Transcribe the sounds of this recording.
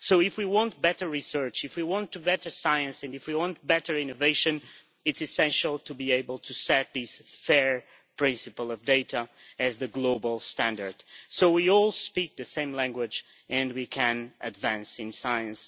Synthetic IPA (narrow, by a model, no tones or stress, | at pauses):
soʊɪfwiwɑ̃nt̚b̥ɛɾə˞ɹisɜ˞t͡ʃɨfwiwɑ̃ntɨbɛɾə˞saɪɨ̃nsɨ̃ndɨfwiwɑ̃nt̚b̥ɛɾə˞ɪ̃noveɪʃɨ̃n | ɨtsɨsɛ̃nʃl̩ˠtʰɨbieɪbəlˠtʰɨsɛt̪̚ðɪsfɛɹ | pʰɹ̥ɪ̃nsɨpl̩ˠʌvdeɪɾə | ɨzðɨɡloʊbl̩ˠstæ̃ndə˞d̥soʊwiɔlˠspik̚ðɨsẽɪ̃mlæ̃ŋɡwɪd͡ʒ | ɨ̃nwikʰɨ̃nʔɨdvæ̃nsɨ̃nsaɪɨ̃ns